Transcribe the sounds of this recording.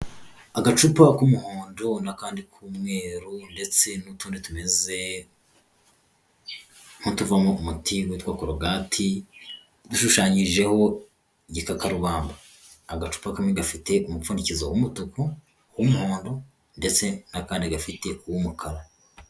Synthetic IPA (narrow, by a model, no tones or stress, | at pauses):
aɡat͡ʃupakumuhoːndo̞nakaːndikʰuːmŋe̞ːɾunde̞t͡se̞nutuːnditumeze̞ | ŋ̥hutuvamoumutʰiwetwaːkoɾoɡaːtʰi | duʃuʃaːɲiʒe̞ho̞ | iɟikakaɾuβaːmbaː | ɡat͡ʃu̥pakameɡafite̞ʔumufuːndicizowumutuko | wumuho̞ːndo̞ | nde̞t͡se̞nakaːndiɡafite̞uwumukʰaɾa